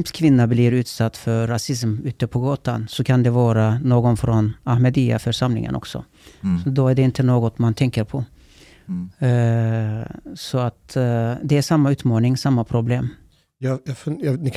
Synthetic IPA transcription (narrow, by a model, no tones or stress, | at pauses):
pskʰvɪnːabliɾʉ̟ːt̪sat̪ːfœɾːasɪs̬mʉ̟ːt̪əpʰɔɡɑːt̪ansɔkʰand̪ɛvɑːɾanoːɡɔnfɾɔnahmɛd̪ia̰fœʂamlɪ̰ŋə̰nʔɔ̰ksɔ̰ | ɔd̪ɔæɖɛɪnt̪ʰənoːɡɔt̪mant̪ʰɛŋkəɾpʰɔ | sɔat̪d̪ɛæʂamːaʉ̟ːt̪mɑːnɪŋsamːapʰɾʊbleːm | jɑjɑfjɑnɪ